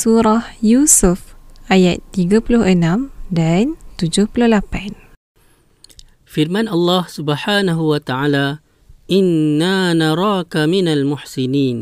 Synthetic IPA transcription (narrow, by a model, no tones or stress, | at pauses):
suɾahjusufʔajat̪ːiɡapulʊhʔənãmdant̪ud͡ʒʊhpulʊhlapan | fɪɾmanʔɑlˤːɑːhsʊbħaːnaɦuwat̪aʕaːlaː | ʔɪnːaːnɑɾˤɑːkamɪnalmʊħsɪniːn